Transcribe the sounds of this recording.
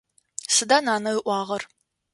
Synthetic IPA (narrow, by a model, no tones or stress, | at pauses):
sɨdanaːnɐɨʔʷɑːʁɐr